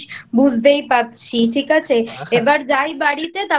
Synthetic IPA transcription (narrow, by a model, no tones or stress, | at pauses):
bud͡ʑʱd̪ejpat̪ːt͡ɕʰiʈʰikat͡ɕʰeebaɾd͡ʑajbaɽit̪et̪a